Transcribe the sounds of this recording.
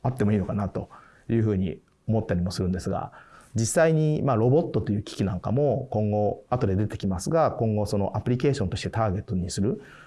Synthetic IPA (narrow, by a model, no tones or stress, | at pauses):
at̪ːe̞mo̞iːno̞kanat̪o̞ | jɯ̟ːɸɯ̟ːɲ̟ḭ | omo̞t̪ːaɾʲimo̞sɨɾɯ̟̃nd̪e̞sɨɡa̰d͡ʑisːaiɲ̟imaːɾo̞bo̞t̪ːo̞t̪ːo̞jɯ̟ːkʲi̥kʲinãŋka̰mo̞kõ̞ŋɡo̞at̪o̞d̪e̞d̪e̞t̪e̞̥kʲimasɨɡakõ̞ŋɡo̞so̞no̞ʔapɯ̟ɾʲike̞ːɕõ̞nt̪o̞ɕi̥t̪e̞t̪aːɡe̞t̪ːoɲ̟isɨɾɯ̟